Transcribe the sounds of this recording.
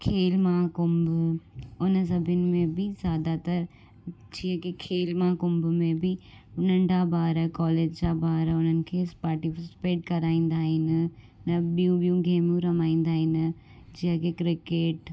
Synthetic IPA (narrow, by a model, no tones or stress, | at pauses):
kʰeːlmãkʊmbʱʊʊnə̆s̬ɐbʱənɪ̆mẽbɪzjaːd̪at̪ɐɾ | d͡ʑiɦə̃kekʰeːlmãkʊmbʊmẽbɪ | ʊn̤ənɪ̆d͡ʑaːbʱaːɾəkɔːleːd͡ʑd͡ʑaːbaːɾʊn̤ənɪ̆kʰeːspaːɾʈifɪsɪ̥peːʈ̚kɐɾaːĩːn̆d̪aːɦɪnɪ̆ | nɐɓijũɓijũɡeːmũɾɐmaːĩːn̆d̪aːɦɪnɪ̆ | d͡ʑiɦə̃kekɾɪkeːʈ